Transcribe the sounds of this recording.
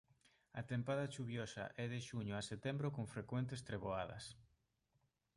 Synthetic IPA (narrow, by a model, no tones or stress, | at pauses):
ɐt̪empaðɐt͡ʃuβjɔsɐ̰ʔɛðeʃuɲʊaset̪ɛmbɾokoŋfɾekwent̪est̪ɾeβoaðɐ̰s